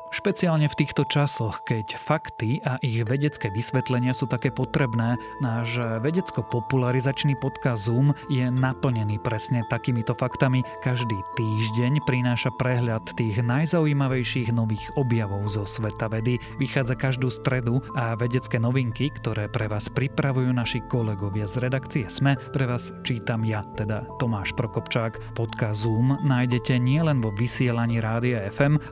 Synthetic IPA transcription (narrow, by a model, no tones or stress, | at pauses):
ʃpɛt͡siaːlɲɛft̪iːxt̪ɔt͡ʃasɔxkɛcfakt̪iʔaʔiɣʋɛɟɛt͡skɛːʋisʋɛt̪lɛɲɪasuːt̪akɛːpɔt̪ɾɛbnɛː | naʒɛʋɛɟɛt͡skɔpɔpulaɾizat͡ʃniːpɔt̪kazumjɛnapl̩ɲɛniːpɾɛsɲɛt̪akiːmit̪ɔfakt̪amikaʒd̪iːt̪iːʒɟɛɲpɾinaːʃapɾɛɦlat̪ːiːɣnajzauiːmaʋɛjʃiːɣnɔʋiːɣɔbjaʋɔʊzɔsʋɛt̪aʋɛd̪i | ʋixaːd͡zakaʒd̪uːst̪ɾɛd̪uaʋɛɟɛt͡skɛːnɔʋiŋkikt̪ɔɾɛːpɾɛʋaːspɾipɾaʋujuːnaʃikɔlɛɡɔʋɪazɾɛd̪akt͡siɛzmɛpɾɛʋaːs | t͡ʃiːt̪amjat̪ɛd̪at̪ɔmaːʃpɾɔkɔpt͡ʃaːk | pɔt̪kazuːmnaːjɟɛcɛɲɪɛlɛnʋɔʋisɪɛlaɲiːɾaːd̪iaɛfɛm